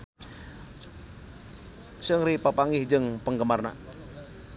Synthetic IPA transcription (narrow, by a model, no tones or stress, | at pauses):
səŋɾipapaŋɪhd͡ʒɨŋpəŋɡəmarna̰